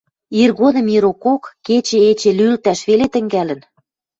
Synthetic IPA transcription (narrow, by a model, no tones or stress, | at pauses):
irɣod̪ɤ̆miɾokokːet͡ɕeet͡ɕelylt̪æʃβelet̪ə̆ŋɡælə̆n